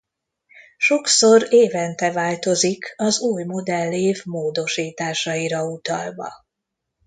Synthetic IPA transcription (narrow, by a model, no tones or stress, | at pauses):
ʃo̞kso̞ɾeːvɛnt̪ɛvaːlt̪o̞zikɒzuːjmo̞d̪ɛlːeːvmoːd̪o̞ʃiːt̪aːʃɒiɾɒut̪ɒlvɒ̰